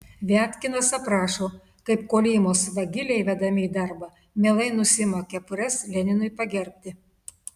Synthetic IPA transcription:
ʋʲæːt̪ʲkʲɪnɐsɐpɾɑːʃoː | kɐɪpkoːlʲeːjɪmoːsʋɐɡʲɪlʲɛɪʋʲɛd̪ɐmʲɪiːd̪ɐɾbɑː | mʲeːlˠɐɪnʊsʲɪmɐkʲɛpʊɾʲɛslʲɛnʲɪnʊɪpɐɡʲɛɾʲpʲt̪ʲɪ

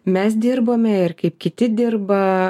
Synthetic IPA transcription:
mʲɛs̬d̪ʲɪɾboːmʲɛɪɾkɐɪpkʲɪt̪ʲɪd̪ʲɪrbɐ

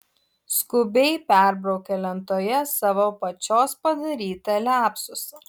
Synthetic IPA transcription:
skʊbʲɛɪpʲæˑɾbɾɐʊkʲɛlʲɛnt̪oːjɛsɑːʋoːpɐt͡ʃʲoːspɐd̪ɐɾʲiːt̪ɐlʲæːpsʊs

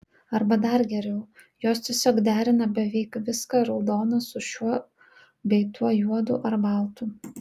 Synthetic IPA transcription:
ɐɾbɐd̪ɐɾɡʲɛɾʲɛʊjoːst̪ʲɛsʲoːkd̪ʲæːɾʲɪnɐbʲɛʋʲɛɪkʋʲɪskɑɾɒʊd̪oːnɐsʊʃʲuɔ | bʲɛɪt̪uɔjuɔd̪ʊ̰ʔɐɾbɐlˠt̪u

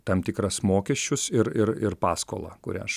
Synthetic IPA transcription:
t̪ɐmt̪ʲɪkɾɐsmoːkʲɛʃʲt͡ʃʲʊsɪɾɪɾɪɾpɑːsko̰ːlˠɑ̰kʊɾʲɛ̰ʃ

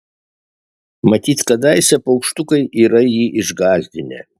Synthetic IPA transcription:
mɐt̪ʲiːt̪kɐd̪ɐɪsʲɛpɐʊkʃt̪ʊkɐɪʔiːɾɐjiːʔɪʒɡɑːzʲd̪ʲɪnʲɛ̰

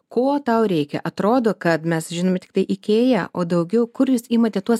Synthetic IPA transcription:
koːt̪ɐʊɾʲɛɪkʲɛ̰ʔɐt̪ɾoːd̪oːkɐt̪mʲɛsʒʲɪnoːmʲɛtʲɪk̚t̪ɐɪʔɪkʲeːjɛʔoːd̪ɐʊɡʲɛʊkʊɾjuːsiːmɐt̪ʲɛt̪uɔs

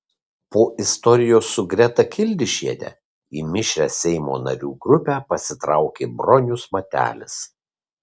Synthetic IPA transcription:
poːʔɪst̪ɔɾʲɪjoːsːʊɡɾʲɛt̪ɐkʲɪlʲd̪ʲɪʃʲiɛd̪ʲɛ̰ | iːmʲɪʃʲɾʲɛːsʲɛɪmo̰ːnɐɾʲuːɡɾʊpʲæːpɐsʲɪt̪ɾɑˑʊkʲeːbɾɔnʲʊsmɐt̪ʲæ̰ːlʲɪs

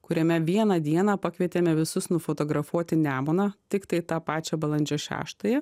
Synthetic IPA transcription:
kʊɾʲɛmʲɛʋʲiɛnɑd̪ʲiɛnɑːpɑkʋʲiɛt̪ʲeːmʲɛʋʲɪsʊsnʊfoːt̪oːɡɾɐfuɔt̪ʲɪnʲæːmoːnɑːt̪ʲɪkt̪ɐɪt̪ɑːpɑːt͡ʃʲɛbɐlˠɐnʲd͡ʒʲɛʃʲæ̰ːʃt̪ɐjɛ

